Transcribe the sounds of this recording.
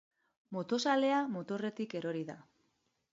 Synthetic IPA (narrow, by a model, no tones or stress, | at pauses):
mot̪o̞sale̞amot̪o̞re̞t̪ike̞ɾo̞ɾiða̰